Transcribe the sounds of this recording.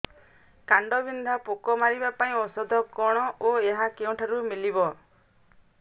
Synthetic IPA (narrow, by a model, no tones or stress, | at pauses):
kaɳɖɔbind̪ʱapokɔmaɾibapaĩɔsɔd̪ʱɔkɔɽ̃ɔʔoeɦakeũʈʰaɾumilibɔ